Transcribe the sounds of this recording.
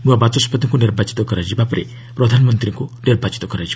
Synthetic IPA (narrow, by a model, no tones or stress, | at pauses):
nuabat̪ɔspɔt̪ɔŋkuniɾbat͡ʃi̥t̪ɔkɔɾad͡ʒibapɔɾḛ | pɾɔd̪ʱanɔmɔnt̪ɾiŋkuniɾbat͡ʃi̥t̪ɔkɔɾad͡ʒi